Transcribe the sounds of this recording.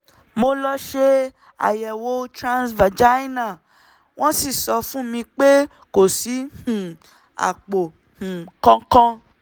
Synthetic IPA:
mo˧lɔ˦ʃe˦ | a̰˨jɛ˨wo˧tɾã˦˧nsva˨d͡ʒa˦nã˦˨ | w̃ɔ̃˦si˦˨sɔ˧fũ˦mĩ˧k͡pe˦ | ko˨si˨˦hũ˨ | a̰˨k͡po˨ | hũ˨kɔ̃˦kɔ̃˦

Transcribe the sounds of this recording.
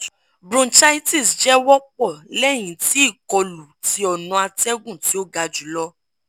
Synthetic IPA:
bɾũ˦nt͡ʃa˦i˦ti˦˨sd͡ʒɛ˦wɔ˦k͡pɔ˦˨lɛ˦˨j̃ĩ˨ti˦i˦˨kɔ˧lu˨ti˧˦ɔ˨nɔ̃˧a˧tɛ˦ɡũ˦˨ti˨˦o˦ɡa˧d͡ʒu˨˦lɔ˦

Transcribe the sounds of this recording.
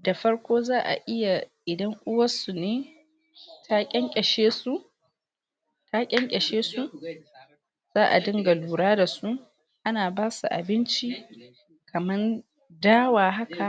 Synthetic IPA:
da˨ɸɐ˦ɽkʷoː˦zaː˦ʔa̰˨ʔɪ˦ja˨ʔɪ˨dɐ˦ŋʔʷʊ˦wɐ˦su˨neː˦ | tʰa˦kʲʼɛ˦ŋkʲʼɛ˨ʃeː˦su˦ʔ | ta˦kʲʼɛ˦ŋkʲʼɛ˨ʃeː˦su˦ | z̥aː˦ʔa̰˨dɪ˦ŋɡa˨luː˨ɽaː˦da˨su˦ | ʔa˦naː˨baː˦su˨ʔa̰˨bɪ˦nt͡ʃi˦ | kʰɐ˨mɐ˦n | daː˦waː˨ɦa˦kʰa˨

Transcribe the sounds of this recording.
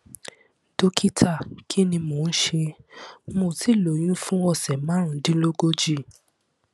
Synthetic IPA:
d̥o˦kʰi˦tʰa˦˨kʰi˦nĩ˧mo˨n̩˦ʃe˧mo˧˨ti˨˦˨lo˨j̃ũ˦fũ˦ɔ˧˨sɛ˨mãː˨˦˨n̩˦dĩ˦lo˦ɡo˦d͡ʒi˦˨

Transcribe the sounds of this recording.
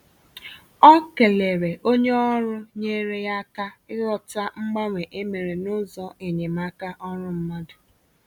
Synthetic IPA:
ɔ˦ke˨le˨ɾe˨ʔo˦ɲe˦ɔ˦ɾʊ˦ɲe˦ɾe˦ja˦ka˦ɪ˦lɔ˨ta˦ŋ͡m̩˦ɡ͡ba˦ŋʷe˨ʔe˦me˨ɾe˨nʊ˦zɔ˦e˨ɲe˨ma˦ka˦ʔɔ˦ɾʊ˦m̩˦ma˦dʊ˨

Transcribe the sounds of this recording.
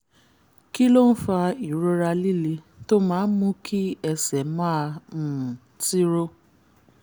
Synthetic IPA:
ki˦lo˦n̩˦fa˧i˨ɾo˦ɾa˧li˦li˧ | to˦mãː˦mũ˦kʰi˦ɛ˧sɛ˨mã˦˧˨ | ti˦ɾo˦

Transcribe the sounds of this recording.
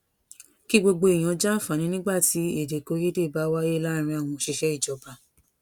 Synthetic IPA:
ki˦ɡ͡bo˧ɡ͡bo˧i˨j̃ã˨˧d͡ʒa˦˨fa˨˦ñĩ˧˦nĩ˦ɡ͡ba˦˨ti˨˦e˦˨de˨ko˨˦je˦de˦˨ba˨˦wa˦e˦la˦˧ɾ̃ĩ˧a˦˨w̃ɔ̃˧˨ʃe˧ʃɛ˦i˦˨d͡ʒɔ˨ba˨˦

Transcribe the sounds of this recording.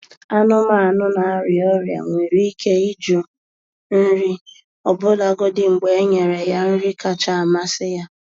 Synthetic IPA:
a˦nʊ˦ma˦a˨nʊ˦na˨a˦ɾɪ˨ɔ˦ɾja̰˨ŋʷi˨ɾi˦kʰe˦i˦d͡ʒo˦ | n̩˦ɾi˦ | ɔ˨bʊ˦da˨ɡo˦dɪ˨ŋ͡m̩˨ɡ͡be˨e˦ɲe˨ɾe˨ja˦n̩˦ɾi˦ka˦t͡ʃa˦˨a˨ma˦sɪ˦ja˦

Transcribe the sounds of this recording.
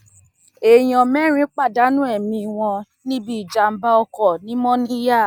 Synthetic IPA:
e˨j̃ɔ̃˨mɛ˦ɾ̃ĩ˦k͡pa˦˨da˨˦nũ˦ɛ˦˨mĩ˧˨w̃ɔ̃˧ | nĩ˦bi˦i˨d͡ʒa˨˧m̩˦ba˦ɔ˧kɔ˨nĩ˦mɔ̃˦nĩ˦ja˦˨

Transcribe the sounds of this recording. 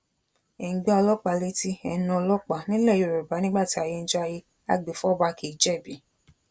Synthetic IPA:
e˨ŋ̩˨ɡ͡ba˦ɔ˧lɔ˦k͡pa˨le˧˦ti˧ɛ˧˨nɔ̃˧lɔ˦k͡pa˨nĩ˦lɛ˦˨jo˨ɾo˨ba˨˦nĩ˦ɡ͡ba˦˨ti˨˦a˧je˧n̩˦d͡ʒɔ˦a˧je˧ | a̰˧ɡ͡be˨fɔ˦˨ba˧ki˨˦d͡ʒɛ˦˨bi˨˦

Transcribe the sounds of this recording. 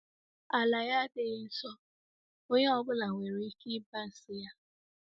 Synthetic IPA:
a˨la˨ja˦dɪ˨˦n̩˦sɔ˦ | o˦ɲe˦ɔ˦bʊ˦la˨ŋʷe˨ɾi˦i˦ki˦ba˦n̩˨sɪ˦ja˦

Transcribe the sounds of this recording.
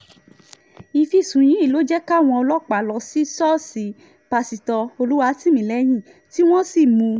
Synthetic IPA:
i˧fi˦˨sũ˨j̃ĩ˨˦i˦˨lo˨˦d͡ʒɛ˦ka˦˨w̃ɔ̃˧ɔ˧lɔ˦˨k͡pa˨lɔ˧si˦sɔ˦si˨˦ | pa˧si˨tɔ˧o˧lu˦wa˧ti˦mĩ˨lɛ˨˦j̃ĩ˦˨ | ti˦w̃ɔ̃˦si˦˨mũ˧

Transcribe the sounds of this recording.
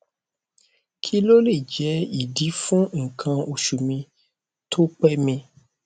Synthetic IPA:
kʰi˦lo˦le˦˨d͡ʒɛ˨˦i˦˨di˨˦fũ˦ŋ̩˨kʰã˧o˨ʃu˨mĩ˧ | tʰo˦k͡pɛ˦mĩ˧

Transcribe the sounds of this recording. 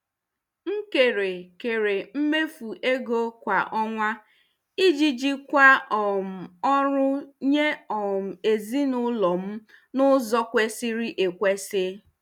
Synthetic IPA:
ŋ̩˦ke˨ɾe˨ke˨ɾe˨m̩˦me˦fu˨ʔe˦ɡo˦kʷa˨ʔɔ˦ŋʷa˦ | i˦d͡ʒi˦d͡ʒi˦kʷa˦ɔ˨m̩˨ɔ˦ɾʊ˦ɲe˦ɔ˨m̩˨e˨zi˦nʊ˦lɔ˨m̩˦ | nʊ˦zɔ˦kʷe˦si˦ɾi˦ʔe˨kʷe˦se˦

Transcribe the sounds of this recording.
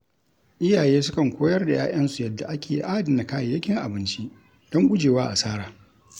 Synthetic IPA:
ʔɪ˦jaː˨jeː˦sʊ˦kɐ˨ŋkʷoː˦jɐ˦rda˨jaː˦ʔɐ˦nsu˨jɐ˨dːa˨ʔa˦kʲʰeː˨˦ʔaː˦dɪ˨na˨kaː˦je˨jɐ˦kʲɪ˦ŋʔa˨bɪ˦nt͡ʃi˦ | d̥ɔ˦ŋkʷʊ˦d͡ʒeː˨waː˦ʔa̰˨saː˦ɽaː˨

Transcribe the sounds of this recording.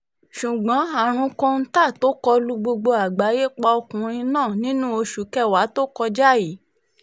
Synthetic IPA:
ʃu˨ɡ͡bɔ̃˨˦a˨ɾ̃ũ˨˧kɔ̃˧n̩˦ta˦˨to˦kɔ˧lu˧ɡ͡bo˧ɡ͡bo˧a˨ɡ͡ba˨˦je˦k͡pa˧o˧kũ˨˦ɾ̃ĩ˧nãː˦˨nĩ˨˦nũ˦o˧ʃu˨˦kɛ˦˨wa˨˦to˦kɔ˧d͡ʒa˦ji˨˦

